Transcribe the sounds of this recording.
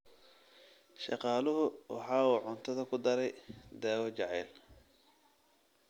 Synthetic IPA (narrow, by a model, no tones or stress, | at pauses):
ʃɑ̰qɑːlʊɦʊwɑ̰ħɑːuːʕʊnt̪ʰɐðɐkʰʊd̪ɐɾɛjd̪aːwɔt͡ʃɑʕɛːl